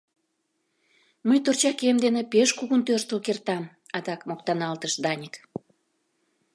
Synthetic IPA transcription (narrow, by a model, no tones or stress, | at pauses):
məjt̪ort͡ɕɑkemd̪enepeʃkuɣunt̪ørʃt̪əlkert̪ɑm | ɑd̪ɑkmokt̪ɑnɑlt̪əʃd̪ɑnʲik